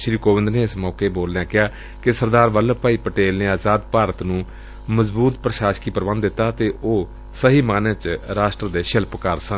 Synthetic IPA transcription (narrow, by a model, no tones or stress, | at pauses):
ʃɾiːkoːʋɪ̃nd̪neːɪsmɔːkeːboːld̪ɛ̃ːkɪɦaː | kɪsəɾd̪aːɾʋəlpaːiːpəʈeːlneːaːzaːd̪paːɾət̪nũː | məzbuːt̪pɾəʃaːʃkiːpəɾbənd̪ɪt̪ːaːt̪eːoː | səɦiːmaːnẽːt͡ʃɾaːʃʈɾəd̪eːʃɪlpkəɾsən